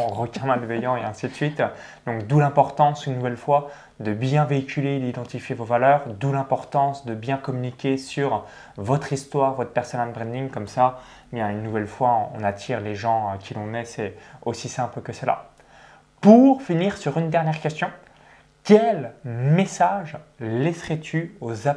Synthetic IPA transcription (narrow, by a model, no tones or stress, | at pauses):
ʁəkʲɛ̃malvɛjɑ̃eɛ̃sit̪sɥit̪ | d̪ɔ̃kd̪ulɛ̃pɔʁt̪ɑ̃synːuvɛlfwa | d̪əbjɛ̃veikʲʰyled̪id̪ɑ̃t̪ifjevovalœʁd̪ulɛ̃pɔʁt̪ɑ̃sd̪əbjɛ̃kɔmynikʲesyʁ | vɔt̪χist̪waʁvɔt̪χpɛʁsɔnalbʁɛ̃nd̪iŋkɔmsa | ebjɛ̃ynːuvɛlfwaɔ̃ɔ̰̃nat̪ʰiʁleʒɑ̃økʲʰilɔ̃nɛsɛosisɛ̃plkəsəla̰ | puʁfiniʁsyʁynd̪ɛʁnjɛʁkʲɛst̪jɔ̃ | kʲɛlmesaʒlɛsχɛt̪ʰyoza